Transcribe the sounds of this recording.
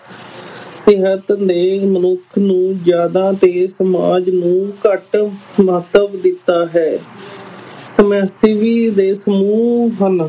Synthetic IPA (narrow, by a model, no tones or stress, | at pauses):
sɪɦət̪d̪eːmənʊkʰnũːd͡ʒjaːd̪ãːt̪eːsəma̰ːd͡ʒnũːkəʈmət̪əbd̪ɪt̪ːaːɦɛː | səmɛsiʋiːd̪eːsəmuːɦən